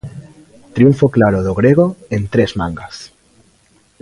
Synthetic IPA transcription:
t̪ɾiuɱfoklaɾoðoɣɾeɣ̞oent̪ɾezmã̰ŋɡas

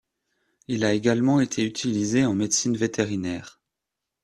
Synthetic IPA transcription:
ilaeɡalmɑ̃et̪ʰeyt̪ʰilizeɑ̃med̪sinvet̪ʰeʁinɛːʁ

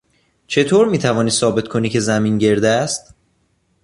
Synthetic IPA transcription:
t͡ʃʰe̞t̪ʰoːɾmiːt̪ʰævɒːniːsɒːbe̞t̪kʰo̞niːcʰe̞zæmiːnɟe̞ɾd̪eæst̪

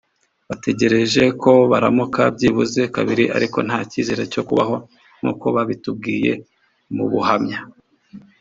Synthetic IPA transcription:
βate̞ɟe̞ɾe̞ʒe̞kʰo̞βaɾamukabɟiβuze̞kaβiɾiʔa̰ɾiko̞̰n̥haːcize̞ɾe̞co̞kuβa̰ɦo̞ | ŋ̥ṵko̞βaβitub̚ɡiːje̞̰ | mṵβuhamɲa

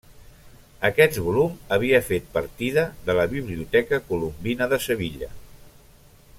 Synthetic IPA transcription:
əkɛt̪βuluməβ̞iəfet̪̚pəɾt̪iðəðələβiβliut̪ɛkəkulumbinəðəsəβiʎə̰

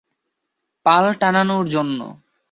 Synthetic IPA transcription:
palʈananoɾd͡ʑonːo̰

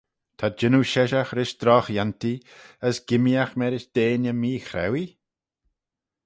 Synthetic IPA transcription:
t̪ʰad͡ʒɪnuʃɛʃaxɾɪʃd̪̥ɾɔːxjant̪iəsɡ̥ɪmiaxmɛɾɪʃd̪̥eːnəmiːxɾɛ̰wi

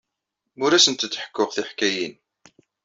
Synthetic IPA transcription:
ʊɾæsənt̪ət͡s̪ːħə̥kːʊʁθiħkæjin

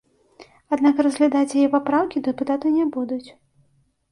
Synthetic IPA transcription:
ad̪nakrɐzɣlʲad̪at͡sʲjajɛpapɾawkʲid̪ɨput̪at̪ɐnʲɛbud̪ut͡sʲ

